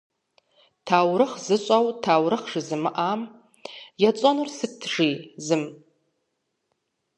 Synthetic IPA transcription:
tʰaːwrɨχzɨɕʷʼawtʰaːwɾɨχʂɨzɨmɨʔam | jat͡sʼanɨrsɨtʰʐizɨm

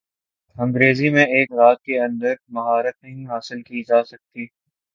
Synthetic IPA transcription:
ɐ̃ŋɡɾeːzimẽeːkɾaːt̪̚keɐ̃nd̪əɾmɐɦaːɾət̪̚nɐɦĩɦaːsɪlkid͡ʒaːsɐk̚t̪iː

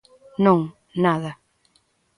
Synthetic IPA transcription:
nõŋ | naðɐ

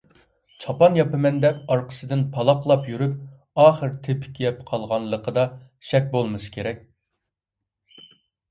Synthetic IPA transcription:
t͡ʃʰɑpɑnjɑpɨmɛnd̪ɛpɑɾqʰə̥sɨd̪ɪnpʰɑlˠɑqlˠɑpjyɾyp | ɑːχəɾt̪ʰɪpʰɪ̥kʲʰːijɛpqʰɑlˠʁɑnlˠəqʰəd̪ɑ | ʃɛk̚ʲbolˠmɨsɨ̥kʲʰeɾɛkʲ

